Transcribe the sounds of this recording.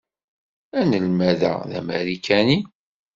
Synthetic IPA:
ænəlmæðæ̰ðæ̰mæ̰ɾikæni

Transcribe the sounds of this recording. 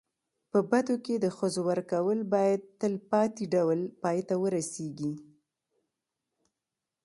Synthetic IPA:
pəbat̪oked̪əxəzowaɾkawəlbɑjad̪̚t̪əlpɑt̪iɖawlpɑjt̪awəɾaseɡi

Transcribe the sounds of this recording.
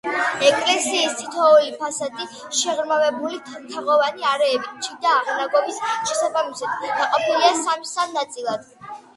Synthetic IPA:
ɛkʼlɛsiːst̪ʰit̪ʰɔɔipʰasad̪i | ʃɛʁɾmavɛbulit̪ʰt̪ʰaʁɔvaniaɾɛːbit͡ʃʰid̪aːʁnaɡɔmisʃɛsabamisad̪̥naqʼɔpʰiliasamsamnat̪sʼilˠad̪̥

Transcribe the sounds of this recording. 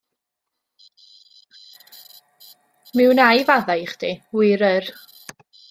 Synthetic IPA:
mɪwnajvaðajχd̥ʰiwɪɾər

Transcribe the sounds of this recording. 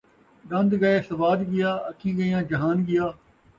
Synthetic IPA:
ɡɐ̃nd̪ɡɐeːsɐʋaːd̪ɡɪjaːɐkʰĩːɡəjãːd͡ʒɐɦaːnɡɪjaː

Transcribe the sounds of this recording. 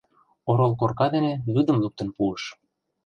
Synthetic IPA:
oɾolˠkorkɑd̪enelyd̪ə̆mluk̚t̪ə̆npuəʃ

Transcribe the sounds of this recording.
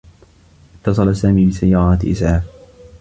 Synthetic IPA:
ʔɪt̪ːɑs̬ˤɑlasaːmiːbɪsajːɑːɾˤɑːt̪ʔɪ̰sʕaːf

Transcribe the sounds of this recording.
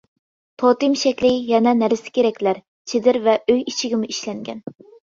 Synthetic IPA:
t̪ʰot̪ɨmʃɛkʲlɪjɛnɛnæɾɪsɪ̥kʲʰeɾɛkʲlæɾ | t͡ʃʰed̪ɪɾvɛøjit͡ʃʰiɡʲimuiʃlɛŋɡʲɛ̰n

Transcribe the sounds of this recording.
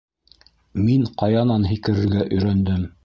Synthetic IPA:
miŋqɑjɑnɑnɦikɘ̆ɾɘ̆ɾɡæʔɵ̆jɾænd̪ɘm

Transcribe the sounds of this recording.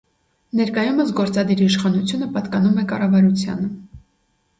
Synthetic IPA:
nɛɾkɑjuməsɡɔɾt͡sɑd̪iɾiʃχɑnut͡sʰjunəpɑt̪kɑnumɛkɑrɑvɑɾut͡sʰjɑ̰nə

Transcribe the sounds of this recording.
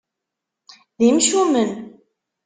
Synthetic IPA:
ðimʃumən

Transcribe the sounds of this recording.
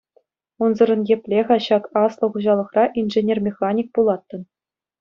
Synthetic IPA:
unzɤ̆ɾɤ̆njepʲlʲeʁɑɕɑkɑslˠɤ̆χuʑɑlˠɤ̆χrɑʔinʐenʲermʲeχɑnʲik̚pulˠɑt̪ːɤ̆n

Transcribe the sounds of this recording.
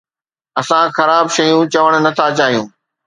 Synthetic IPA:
ɐsãxɐɾaːbʃɐjũt͡ɕɐʋəɽ̃nɐt̪ʰat͡ɕaːɦijũː

